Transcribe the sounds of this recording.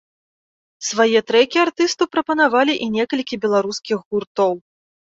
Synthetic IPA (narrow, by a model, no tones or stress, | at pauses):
svajɛt̪ɾɛkʲiart̪ɨst̪uwpɾɐpɐnavalʲiʔinʲɛkɐlʲkʲibʲɛlˠaɾuskʲiɣɣurt̪ɔw